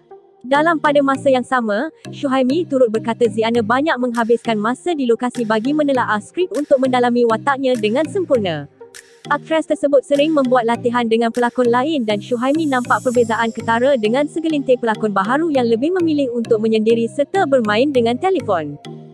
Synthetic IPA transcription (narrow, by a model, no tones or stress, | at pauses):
dalampadamãsəjaŋsamãʃuɦajmĩt̪uɾʊt̪̚bərkat̪azianəbaɲak̚mə̃ŋɦabɪskanmãsadilokasibaɡimə̃nəlaʔaskɾipunt̪ʊk̚mə̃ndalamĩwat̪aʔ̚ɲãdəŋãnsəmpurnã | ʔak̚fɾɛst̪ərsəbʊt̪̚səɾɪŋmə̃mbuat̪̚lat̪iɦandəŋãnpəlakʊnlaɪndanʃuɦajmĩnãmpaʔpərbezaʔankət̪aɾadəŋãnsəɡəlint̪ɪpəlakʊnbaɦaɾujaŋləbɪhmə̃mĩlɪhunt̪ʊk̚mə̃ɲə̃ndiɾisərt̪əbərmãɪndəŋãnt̪elefɔn